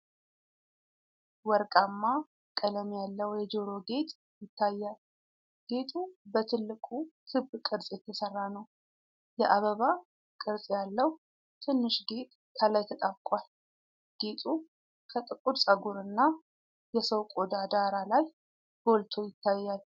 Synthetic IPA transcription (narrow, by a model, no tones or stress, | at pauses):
wɔɾkʼamːa | kʼələmjalːəwjɛd͡ʒoɾo̞ɡe̞t̪ʼ | jɪt̪ʰːajːal | ɡ̥e̞t̪ʼubət̪ʰɨlːɨkʼukʰɨbːkʼɨɾsʼjɛt̪ʰːəsərːanəw | jɛʔaβəβa | kʼɨɾsʼjalːəw | t̪ʰɨnːɨʃɡe̞t̪ʼ | kʰəlajt̪ʰət̪ʼaβkʼwal | ɡ̥e̞t̪ʼu | kʰət̪ʼɨkʼud̪sʼəɡuɾɨnːa | jɛsəwkʼod̪ad̪aɾalaj | b̥o̞lt̪ʰo̞jɪt̪ːajːal